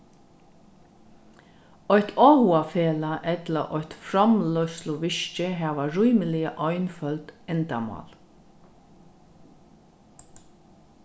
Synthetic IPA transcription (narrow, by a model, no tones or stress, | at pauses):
ɔjt̪ʰɔːhʊafeːlaʔɛt̪ləʔɔʏt̪fɾɔmlœslʊʋɪʃt͡ʃəɦæːʋaɹujməlɪəʔɔʏnfœlt̪ɛnt̪a̰mɑ̰ːl